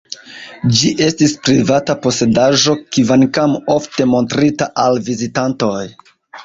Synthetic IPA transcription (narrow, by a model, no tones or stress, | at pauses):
d͡ʒiʔe̞stispɾivatapo̞se̞daʒo̞kivankamo̞fte̞mo̞ntɾitaʔalvizitanto̞j